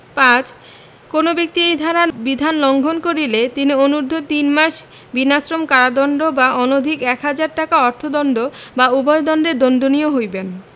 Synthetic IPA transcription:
pãt͡ɕ | konobik̚t̪iejd̪ʱaɾabid̪ʱanlɔŋɡʱonkoɾilet̪inionuɾd̪ʱot̪inmaʃ | binasɾomkaɾad̪ɔnɖobaʔɔnod̪ʱikɛkɦad͡ʑaɾʈakaɔɾt̪ʰod̪ɔnɖobaubɔed̪ɔnɖeɾd̪ond̪onijoɦojben

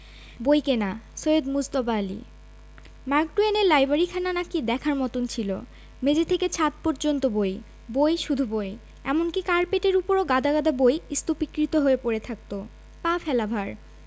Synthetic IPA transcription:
bojkenasojed̪mud͡ʑt̪obaːlḭ | maɾk̚ɖuenelajbaɾikʰananakid̪ɛkʰaɾmɔt̪ont͡ɕʰilo̰ | med͡ʑet̪ʰeket͡ɕʰat̪̚poɾd͡ʑont̪oboj | bojʃud̪ʱuboj | ɛ̰monkikaɾpeʈeɾupoɾoɡad̪ʱaɣad̪ʱabojist̪opikɾit̪oɦoepoɾet̪ʰak̚t̪o | pafɛlabʱaɾ

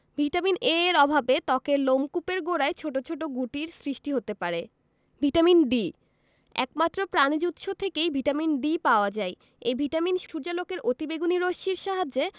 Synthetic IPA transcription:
bʱiʈamineɾɔbʱabet̪ɔkeɾlomkupeɾɡoɾaet͡ɕʰoʈot͡ɕʰoʈoɡuʈiɾsɾiʃʈiɦot̪epaɾe | bʱiʈaminɖi | ɛ̰kmat̪ːɾopɾanid͡ʑut̪ʃot̪ʰekejbʱiʈaminɖipaoad͡ʑae | ejbʱiʈaminʃʃuɾd͡ʑalokeɾʔot̪ibeɡuniɾoʃiɾʃaɦad͡ʑe

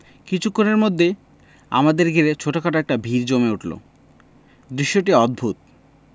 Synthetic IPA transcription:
kit͡ɕʰukʰːoneɾmod̪ʱːe | a̰mad̪eɾɡʱiɾet͡ɕʰoʈakaʈaɛk̚ʈabʱiɾd͡ʑomeuʈlo̰ | d̪ɾiʃːoʈiɔd̪̚bʱut̪̚

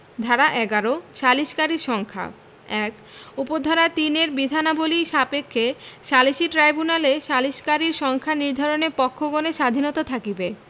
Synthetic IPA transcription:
d̪ʱaɾaʔɛɡaɾoʃaliʃkaɾiɾʃɔŋkʰa̰ | ɛk | upod̪ʱaɾat̪ineɾbid̪ʱanaboliʃapekʰːeʃaliʃiʈɾajbunaleʃaliʃkaɾiɾʃɔŋkʰaniɾd̪ʱaɾonepɔkʰːoɡoneʃad̪ʱinɔt̪at̪ʰakibe

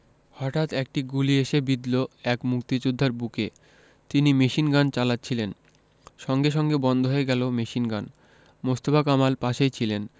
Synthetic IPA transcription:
hɔʈat̪ɛk̚ʈiɡulieʃebid̪loɛkmukt̪id͡ʑud̪ʱːaɾbuke | t̪inimeʃinɡant͡ɕalatːɕʰilen | ʃɔŋɡeʃ̬ɔŋɡebɔnd̪ʱoɦoeɡɛlomeʃinɡan | most̪obakamalpaʃejt͡ɕʰilen

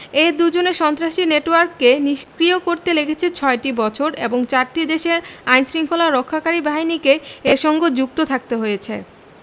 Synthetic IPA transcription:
eɾd̪ud͡ʑoneɾʃɔnt̪ɾaʃineʈowaɾkːeniʃkɾiokoɾt̪elekʰet͡ɕʰet͡ɕʰɔeʈibɔt͡ɕʰoɾḛboŋt͡ɕaɾʈid̪eʃeɾajnsɾiŋkʰolaɾokʰːakaɾibaɦinikeeɾʃɔŋɡod͡ʑuk̚t̪ot̪ʰak̚t̪eɦojet͡ɕʰḛ

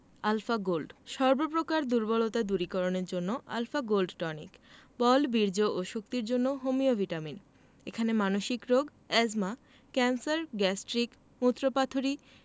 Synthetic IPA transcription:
alfaɡolɖʃɔɾbopɾokaɾd̪uɾbɔlot̪ad̪uɾikɔɾoneɾd͡ʑonːoʔa̰lfaɡolɖʈɔnḭkbɔlbiɾd͡ʑoʔoʃok̚t̪iɾd͡ʑonːoɦomiovʱiʈamin | ekʰanemanoʃikɾoɡ | ɛd͡ʑma | kɛnsaɾɡɛsʈɾik | mut̪ːɾopat̪ʰoɾi

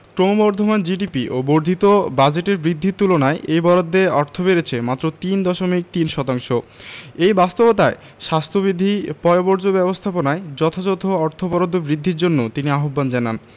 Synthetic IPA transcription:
kɾomobɔɾd̪ʱomand͡ʑiɖipiʔoboɾd̪ʱit̪obad͡ʑeʈeɾbɾid̪ʱːit̪ulonaeʔejbɔɾod̪ʱːeɔɾt̪ʰobeɾet͡ɕʰemat̪ːɾot̪ind̪ɔʃomik̚t̪inʃɔt̪aŋʃoejbast̪obot̪ae | ʃast̪ʰobɾid̪ʱːipɔoboɾd͡ʑobɛbost̪ʰaponaed͡ʑɔt̪ʰad͡ʑot̪ʰoɔɾt̪ʰobɔɾod̪ʱːobɾid̪ʱːiɾd͡ʑonːot̪iniaɦobːand͡ʑanan

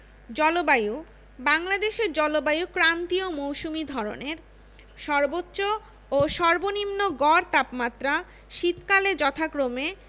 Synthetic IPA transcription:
d͡ʑɔlobaju | baŋlad̪eʃeɾd͡ʑɔlobajukɾant̪iomowʃumid̪ʱɔɾo̰neɾ | ʃɔɾbotːɕo | oʃɔɾbonimnoɡɔɾt̪apmat̪ːɾa | ʃit̪kaled͡ʑɔt̪ʰakɾome

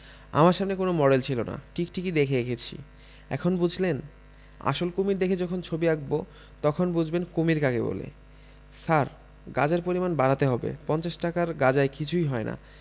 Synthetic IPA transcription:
a̰maɾʃamnekonomɔɖelt͡ɕʰilona̰ʈʰikʈikid̪ekʰeekʰet͡ɕʰḭ | ɛ̰kʰonbud͡ʑʱlen | a̰ʃolkomiɾd̪ekʰed͡ʑɔkʰont͡ɕʰobiaɡ̚bo | t̪ɔkʰonbud͡ʑʱbenkomiɾkaɡebo̰lḛ | saɾ | ɡad͡ʑeɾpoɾimanbaɾat̪eɦɔbḛpɔnt͡ɕaʃʈakaɾɡad͡ʑaekit͡ɕʰujɦɔena̰

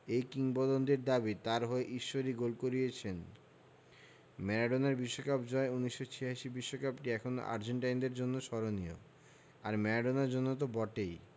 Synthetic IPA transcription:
ejkiŋbɔd̪ond̪eɾd̪abit̪aɾɦoeʔiʃːoɾiɡolkoɾijet͡ɕʰen | mɛɾaɖonaɾbiʃːokapd͡ʑɔeunːiʃːot͡ɕʰiɦaʃibiʃːokapʈiɛkʰono̰ʔa̰ɾd͡ʑeɳʈajnd̪eɾd͡ʑonːoʃɔɾonio̰ | aɾmɛɾaɖonaɾd͡ʑonːot̪̬obɔʈej

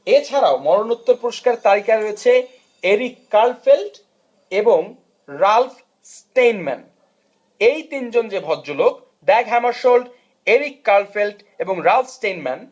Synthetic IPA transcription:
et͡ɕʰaɾaomɔɾonut̪ːoɾpuɾoʃkaɾt̪aɾikaɾoet͡ɕʰe | eɾikːalfelʈ | eboŋ | ɾalf | sʈejnmɛ̰n | ejt̪ind͡ʑond͡ʑebʱɔdd͡ʑoloɡ | d̪ɛɡɦɛmaʃolɖ | eɾikːalfelʈ | eboŋɾalfʰsʈejnmɛn

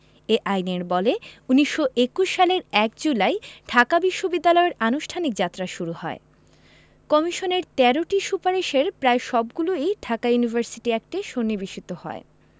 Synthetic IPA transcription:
eʔajneɾbɔleuniʃːoʔekuʃːaleɾɛkd͡ʑulaeɖʰʱakabiʃːobid̪ːalɔeɾanuʃʈʰanik̚d͡ʑat̪ːɾaʃuɾuhɔe | kɔmiʃoneɾt̪ɛɾoʈiʃupaɾiʃeɾpɾaeʃɔbɡuloejɖʰʱakajunivʱaɾsiʈiɛk̚ʈiʃonːibiʃit̪ohɔ̰e

